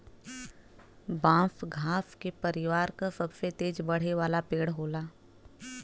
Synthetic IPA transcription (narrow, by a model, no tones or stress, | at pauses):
bãːfɡʱaːfkepəɾɪʋaːɾkasɐbset̪eːd͡ʒbɐɽ̤eʋaːlapeːɽɦoːlaː